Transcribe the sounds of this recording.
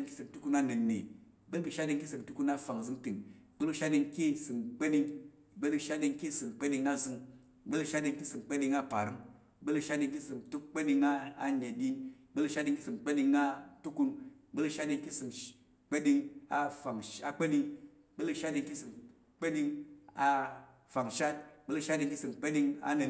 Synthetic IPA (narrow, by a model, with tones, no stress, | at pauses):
ŋki˦sɨ˨mtu˦ku˦na˦nɨ˨nːḭ˨ | ɓə˦lbi˨ʃa˦di˧ŋki˦sɨ˨m˨tu˦ku˦na˦fa˨ŋzɨ˦ŋti˨ŋɡ͡bə˦lu˧ʃa˦di˧ŋki˦sɨ˨mk͡pe˦ɗi˧ŋ | bə˦lʃa˦di˧ŋki˦sɨ˨mk͡pe˦di˧ŋa˦zɨ˧˦ŋ | ɡ͡bə˦lʃa˦di˧ŋki˦sɨ˨mk͡pe˦ɗi˧ŋa˦pa˨ɾɨ˦ŋ | bə˦lu˧ʃa˦di˧ŋki˦sɨ˨mtu˦kk͡pe˦ɗi˧ŋa˦a˨ɲe˨di˦ | ɡ͡be˦lu˧ʃa˦tdi˧ŋki˦sɨ˨mk͡pe˦ɗi˧ŋa˦tu˦ku˧nɡ͡bə˦lu˧ʃa˦tdi˧ŋki˦sɨ˨m | k͡pe˦di˧ŋa˧fa˨ŋa˧k͡pe˦di˧ŋ | be˦lu˧ʃa˦di˧ŋki˦sɨ˨m | k͡pe˦ɗi˧ŋa˧ | fa˨ŋʃa˦t̚ɡ͡be˦lu˧ʃa˦di˧ŋki˦sɨ˨mk͡pe˦di˧ŋa̰˧ne˨